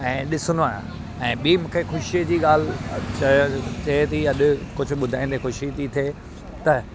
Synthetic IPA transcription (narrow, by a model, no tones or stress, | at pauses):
ɛ̃ːɗɪsʊnd̪oaːɪjã̰ | ɛ̃ːɓiːmũːkʰexʊʃied͡ʑiːɠaːl̤ɪt͡ɕɐt͡ɕɐɦt̪iɐɗʊ̆kʊd͡ʑʱʊ̆ɓʊd̪ʱaːĩːn̆d̪exʊʃit̪it̪ʰieː | t̪ɐ